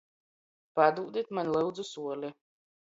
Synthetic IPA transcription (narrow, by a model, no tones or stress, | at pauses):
pad̪uːd̪ʲit̪manʲlˠɨwd̪zusuɔlʲi